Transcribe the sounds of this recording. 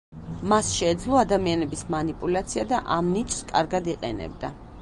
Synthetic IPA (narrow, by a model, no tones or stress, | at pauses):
masʃɛːd̪zlˠɔad̪amianɛbismanipʼulat̪sʰiad̪aʔamnit͡ʃʼskʼa̰ɾɡad̪iqʼɛ̰nɛ̰bd̪a